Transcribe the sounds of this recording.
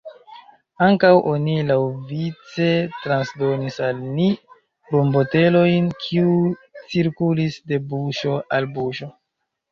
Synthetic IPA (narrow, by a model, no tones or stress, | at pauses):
aŋkawʔo̞nilawvit͡se̞tɾansdo̞nisalni | bombo̞te̞lo̞jnkʰiut͡siɾkulisde̞buʃo̞ʔalbuʃo̞